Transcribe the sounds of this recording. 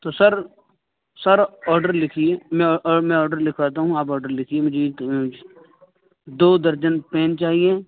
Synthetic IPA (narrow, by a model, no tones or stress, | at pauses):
t̪oːsɐɾ | sɐɾɔːɾɖəɾlɪkʰieːmɛ̃mɛ̃ɔːɖəɾlɪkʰʋaːt̪̬aɦũaːp̬ɔːɖəɾlɪkʰiemʊd͡ʒʱe | d̪oːd̪ɐɾd͡ʒənpɛ̃ːnt͡ʃaːɦieː